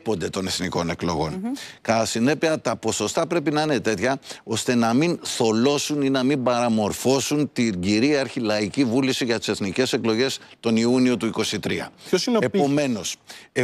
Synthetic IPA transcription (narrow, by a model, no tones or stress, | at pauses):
po̞nd̪e̞t̪o̞ne̞θniko̞ne̞klo̞̰ɣo̞nkɐɐsine̞piɐt̪ɐpo̞so̞st̪ɐpɾe̞pinɐine̞t̪e̞t̪çɐo̞st̪e̞nɐminθo̞lo̞suninɐmimbɐɾɐmo̞ɾfo̞sunt̪iɟiɾiɐɾçilɐicivulisiʝɐt̪i̥seθnice̞se̞klo̞ʝe̞st̪o̞niunio̞t̪uiko̞sit̪ɾiɐ̰osineome̞no̞s